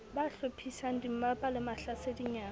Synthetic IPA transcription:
baɬopʰisan̩dim̩mapʼalɪmaɬasediɲaː

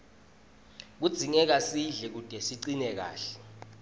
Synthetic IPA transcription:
k̬ud̥z̥ʱiŋɛk̬asiɮɛk̬ud̥ʱɛsiǀinɛk̬a̰ːɬɛ̥

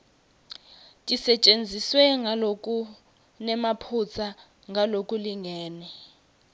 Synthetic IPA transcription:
tʼisɛt͡ʃʼend͡zʱiswɛŋɡʱalokʼu | nɛmapʰut͡sʰa | ŋɡʱalokʼuliŋʱɛːnɛ

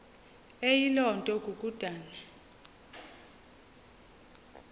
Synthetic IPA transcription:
ejilɔntʼɔɡʼʱukʼud̥ʱaːla

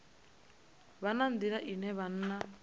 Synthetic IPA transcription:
βanand̪iɺaʔinɛβan̩ːna

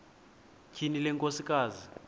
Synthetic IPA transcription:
kʰinilɛŋkʼosikʼaːzi

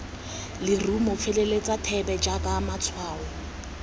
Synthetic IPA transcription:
lɪrumʊfelelet͡sʼatʰɛbɛd͡ʒakʼamat͡sʰwaːɔ

